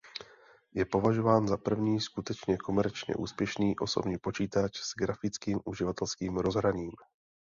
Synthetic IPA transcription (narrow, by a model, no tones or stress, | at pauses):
jɛpo̞vaʒo̞vaːnzapr̩vɲiːskut̪ɛt͡ʃɲɛko̞mɛɾt͡ʃɲɛ̰ʔuːspjɛʃniːʔo̞so̞̰bɲiːpo̞t͡ʃiːt̪at͡ʃz̥ɡɾafɪt͡skiːmʔuʒɪvat̪ɛlskiːmɾo̞zɦɾaɲiːm